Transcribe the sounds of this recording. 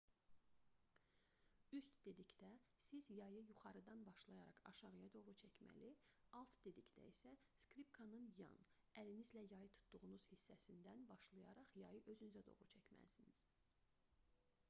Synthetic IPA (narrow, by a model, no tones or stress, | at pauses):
yst̪d̪e̞d̪icd̪æsizjɑjɯjuχɑɾɯd̪ɑnbɑʃlˠɑjɑɾɑχɑ̰ʃɑɾɯjɑd̪o̞ʁɾut͡ʃʰæcmæ̰liɑlˠt̪d̪e̞d̪icd̪æ̰isæ | skɾipkʰɑnɯnjɑ̰n | ælinizlæjɑjɯt̪ʰu̥t̪ʰd̪uʁunuz̥hisːæsind̪ænbɑʃlˠɑjɑɾɑχjɑjɯʔø̞zynyzæd̪o̞̰ʁɾut͡ʃʰæcmæ̰siniz̥